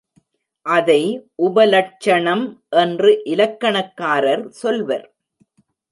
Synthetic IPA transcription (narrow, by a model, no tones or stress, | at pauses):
ʔɐðɐɪʔʊbɐlɐʈ̚t͡ʃːɐɳɐmʔɛndrɯʔɪlɐkːɐɳɐkːaːɾɐɾsɔlʋɐɾ